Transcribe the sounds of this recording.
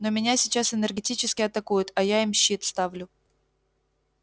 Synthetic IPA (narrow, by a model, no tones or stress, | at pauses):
nomʲɪnʲasʲɪt͡ɕasɨnərɡʲɪtʲit͡ɕɪskʲɪɐt̪ɐkujʊt̪ɐjaɪmɕːit̪st̪avlʲʊ